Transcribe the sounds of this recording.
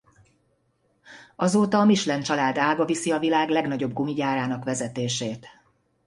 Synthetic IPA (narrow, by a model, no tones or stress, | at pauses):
ɒzoːt̪ɒːmiʃlɛnt͡ʃɒlaːd̪aːɡɒvisiɒvilaːɡlɛɡnɒɟo̞bɡumiɟaːɾaːnɒkʋɛzɛt̪eːʃeːt̪